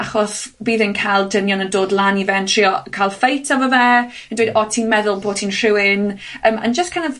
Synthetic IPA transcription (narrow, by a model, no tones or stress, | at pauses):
aχɔsbiːðɪnkʰalˠdənjɔnədoːdlˠanivɛntʰr̥iɔkʰalˠfejtʰavəvɛ | ə̃ndwejdɔtʰiːnmɛðʊlˠboːtʰiːnr̥ɪwɪnəːmʔə̰nd͡ʒəstkʰajnɔv